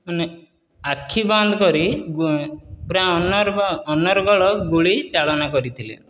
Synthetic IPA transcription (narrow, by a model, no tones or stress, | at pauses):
mane | akʰːibɔnd̪ʱɔkɔɾiɡupɾanɔɾɔnɔɾɔɡɔɭɔɡuɭit͡ʃaɭɔnakɔɾit̪ʰilḛ